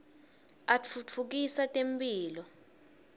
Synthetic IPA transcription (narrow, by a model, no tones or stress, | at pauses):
at͡fʰut͡fʰuk̬isatʼempʼiːlɔ